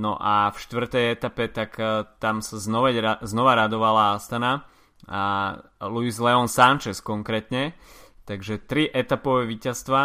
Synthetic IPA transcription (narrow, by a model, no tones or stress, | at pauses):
nɔ̰ʔafʃt̪ʋr̩t̪ɛjɛt̪apɛt̪akt̪amsaznɔʋɛznɔʋaɾad̪ɔʋalaast̪ana | aluizlɛɔnsant͡ʃɛskɔŋkɾɛːt̪ɲɛt̪aɡʒɛt̪ɾiʔɛt̪apɔʋɛʋiːcast̪ʋa